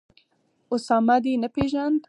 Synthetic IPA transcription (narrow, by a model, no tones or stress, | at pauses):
ʊsɑːmad̪inapeʒand̪